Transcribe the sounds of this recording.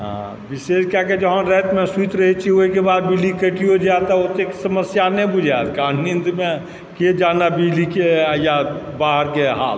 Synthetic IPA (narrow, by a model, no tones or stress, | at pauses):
ɦã̰ | bɪseːʃkaked͡ʒəɦãɾɛt̪mẽsuit̪ɾəɦit͡ʃʰioekebaːd̪̚bilikəʈiod͡ʒat̪aot̪eksəməsjanẽbud͡ʒat̪kaːnnind̪mẽ | ked͡ʒaːnabid͡ʒlikeja | baːɦəɾkeɦa̰ːl